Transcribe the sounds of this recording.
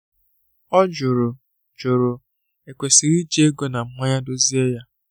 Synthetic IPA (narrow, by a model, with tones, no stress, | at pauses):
ɔ˦d͡ʒʊ˨ɾʊ˨ | d͡ʒʊ˨ɾʊ˨ | e˨kʷe˨si˨ɾi˦d͡ʒi˦e˦ɡo˦na˨m̩˦ma˦ɲa˦do˦zi˦e˦ja˦